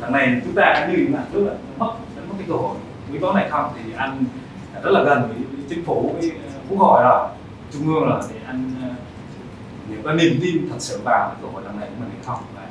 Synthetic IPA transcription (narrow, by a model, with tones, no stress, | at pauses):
ɗa˨˧˩ŋna˨˩jt͡ɕʊ˨˦ŋ͡mt̪aː˧ʔaː˨˧˦ɗi˧i˨˧˩maː˧˨˩nɨ˦˥ək̚a˨˧˨nə˨˦mə˦˥w̚ə˨˦mo˦˥kaː˨˦kɨ˧˩ho̰˧˩˨j | ki˨˦ɓa˨˦˥w̚na˨˩jxə˧wŋ͡mt̪ʰi˨˩ʔa˧jŋː˨˩ | zə˦˥t̚laː˨˩ɣə˨˩nvəː˨˦jt̪ʰi˧əŋfo˨˦kəː˨˦˨ku˧˥k̚ho˧˩˨jɗɔ˨˩ | t͡ɕʊ˧ŋ͡mʔɨ˧əŋlɔː˨˩t̪e˨˩ʔa˧jŋː˨˧ | ni˨˩əwkaː˨˦ni˧˩mt̪i˧mt̪ʰə˨˩t̚sɨ̰˧˨ŋvaː˨˩wkaː˨˦kɨː˧˩ho̰˧˨jɗa̰˨˧˩na˨˩jku˧˦mi̟˨˩ha˧˩jxə˧wŋ͡maː˨˧˩